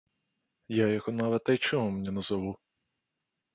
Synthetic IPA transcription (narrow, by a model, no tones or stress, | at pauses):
jajɔhɔnɑʋɛt̪ːɐjt͡ʃɔmumenʲɛnɐzɐʋu